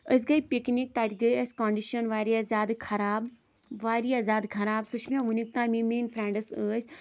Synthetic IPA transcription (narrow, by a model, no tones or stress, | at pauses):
əs̬ʲɡɐjpiknik̚t̪aːt̪ʲɡɐjəsʲkoːɳɖiʃənʋaːɾiazaːd̪kʰɐɾaːb | ʋaːɾiazʲaːd̪kʰɐɾaːbsut͡ʃʰmʲãʋunik̚t̪aːmĩːmeːnfɾẽːɳɖɐsəːsʰʲ